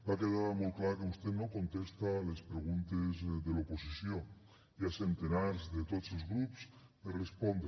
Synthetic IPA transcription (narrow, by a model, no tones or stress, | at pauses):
bakeðaɾmolklaɾkeust̪et̪nokont̪est̪alespɾeɣ̞unt̪ezðeloposisjo | iasent̪enaɾzðet̪ot̪selˠzɣɾupsperespond̪ɾ